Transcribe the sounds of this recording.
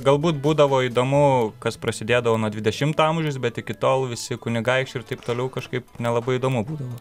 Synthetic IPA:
ɡɐlˠbuːt̪buːd̪ɐʋoːiːd̪oːmʊkɐsprɐsʲɪd̪ʲeːd̪ɐʋoːnuɔd̪ʲʋʲɪd̪ʲɛʃʲɪmt̪ːɐmʒʲʊsbʲɛt̪ɪkʲɪt̪oːlˠʋʲɪsʲɪkʊnʲɪɡɐɪkʃt͡ʃʲɪɾt̪ɐɪpt̪oːlʲɛʊkɐʃkɐɪpnʲɛlˠɐbɐɪid̪oːmʊbuːd̪ɐʋoː

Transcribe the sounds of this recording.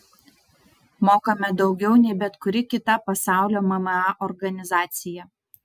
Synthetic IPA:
moːkɐmʲɛd̪ɒʊɡʲɛʊnʲɛɪbʲɛt̪kʊɾʲɪkʲɪt̪ɐpɐsɑˑʊlʲoːmɐmɐɑʔɔɾɡɐnʲɪzɑːt̪sʲɪjɛ

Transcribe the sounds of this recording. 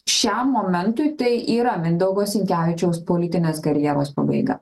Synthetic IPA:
ʃʲɛmːoːmʲɛnt̪ʊɪt̪ɐɪʔiːɾɐmʲɪnd̪ɐʊɡoːsʲɪŋʲkʲæːʋʲɪt͡ʃʲɛʊspoːlʲɪt̪ʲɪnʲeːskɐɾʲjɛːɾoːspɐbɐ̰ɪɡɐ̰

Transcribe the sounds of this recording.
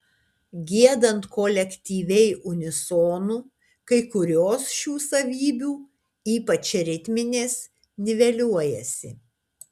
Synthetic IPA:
ɡʲiɛd̪ɐnt̪kɔlʲɛkʲt̪ʲiːʋʲɛɪʔʊnʲɪsoːnuː | kɐɪkʊɾʲoːsʃʲuːsɐʋʲiːbʲuː | iːpɐt͡ʃʲɾʲɪt̪ʲmʲɪnʲeːs | nʲɪʋʲɛlʲuɔjɛsʲɪ̰

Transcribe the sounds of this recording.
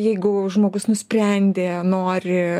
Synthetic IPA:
jɛɪɡʊʒmoːɡʊsnʊsʲpʲɾʲɛnʲd̪ʲeːnoːɾʲɪ

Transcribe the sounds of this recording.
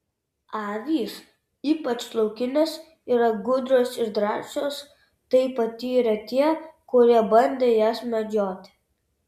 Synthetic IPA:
ɑːʋʲiːs | iːpɐt͡ʃslˠɐʊkʲɪnʲɛs | iːɾɐɡʊd̪ɾʲoːsɪɾd̪ɾɑːʃʲoːs | t̪ɐɪpɐt̪ʲiːɾɐt̪ʲiɛkʊɾʲiɛbɐnʲd̪ʲeːjæːsmʲɛd͡ʒʲoːt̪ʲ

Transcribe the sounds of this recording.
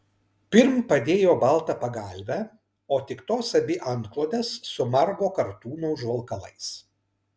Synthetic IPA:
pʲɪɾmpɐd̪ʲeːjoːbɐlˠˑt̪ɐpɐɡɐˑlʲʋʲɛ | oːt̪ʲɪkt̪oːsɐbʲɪʔɐnt̪klˠoːd̪ʲɛsːʊmɐɾɡoːkɐɾt̪uːnoʊʒʋɐlˠˑkɐlˠɐɪs

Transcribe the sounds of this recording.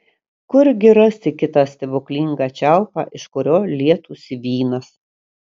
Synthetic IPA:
kʊɾɡʲɪɾɐsʲɪkʲɪt̪ɑsʲt̪ʲɛbʊklʲɪŋɡɑt͡ʃʲæˑʊpɑ̰ːʔɪʃkʊɾʲoːlʲiɛt̪uːsʲɪʋʲiːnɐs

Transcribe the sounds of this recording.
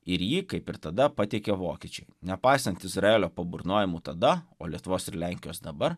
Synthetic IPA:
ɪɾjiːkɐɪpɪɾt̪ɐd̪ɐpɐt̪ʲeɛkʲeʋoːkʲiːt͡ʃʲɛɪnʲɛpɐɪsɐnt̪ɪzɾɐeːlʲoːpɐbʊɾnoːjɪmuːt̪ɐd̪ɐo̰ːlʲiɛt̪ʊʋoːsɪɾlʲæŋʲkʲɪjoːsd̪ɐbɐɾ

